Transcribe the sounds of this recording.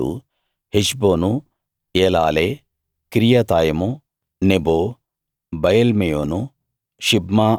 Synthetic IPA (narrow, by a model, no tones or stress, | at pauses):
ṵ | hiʃboːnu | eːla̰ːle | kɾijat̪aːjɐmu | neboː | bɐjɐlmijoːnu | ʃibmaː